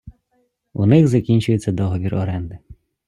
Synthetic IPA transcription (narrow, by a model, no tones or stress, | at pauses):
ṵnɪɣzɐkʲinʲt͡ʃʊjet͡sʲːɐd̪ɔɦɔʋʲirɔɾɛnd̪ɪ